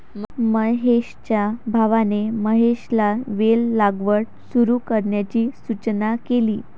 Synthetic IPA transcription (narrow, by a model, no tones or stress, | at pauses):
mməɦeɕt͡ɕjabʱaʋaneməɦeɕlaʋelːaɡʋəɽ | suɾuːkəɾɳjat͡ɕiːsut͡ɕnakeliː